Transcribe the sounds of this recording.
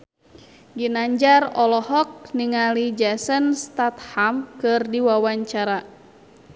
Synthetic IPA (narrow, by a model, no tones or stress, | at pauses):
ɡinaɲd͡ʒarɔlɔɦɔk̚niŋalid͡ʒasənst̪at̪hamkɨrdiwawaɲt͡ʃaɾa